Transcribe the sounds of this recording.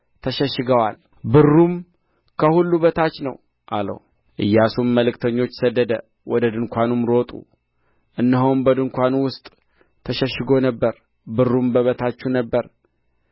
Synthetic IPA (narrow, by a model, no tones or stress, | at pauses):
t̪ʰəʃəʃːɨɡəwal | bɨrːum | kʰəhulːuβət̪ʰat͡ʃːnəw | ʔalə̰w | ʔɨ̰jːasumːəlɨkt̪ʰəɲːo̞t͡ʃːsəd̪ːəd̪ə | wɔd̪əd̪ɨŋkʷanumɾo̞t̪ʼṵ | ʔɨnːɨɦowmbəd̪ɨŋkʷanuwʊst̪ʼ | t̪ʰəʃəʃːɨɡo̞nəbːəɾ | bɨrːumbəβət̪ʰat͡ʃːunəbːəɾ